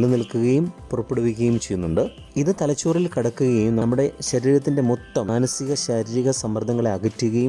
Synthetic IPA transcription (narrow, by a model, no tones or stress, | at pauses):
lunilkːuɣɐjumpurɐpːeɽɐʋik̬ʲːɐjumt͡ɕe̞jːunːuɳɖɨ | iðɨt̪ɐlɐt͡ɕːuːrilkiɽɐkːuɣɐjumnɐmːuɽe̞ɕɐɾiːɾɐt̪̬ːinde̞mot̪ːɐmaːnɐsiɣɐɕɐɾiːɾiɣɐsɐmːɐrd̪ʱːɐŋːɐɭeɐɡɐtːiɣɐjum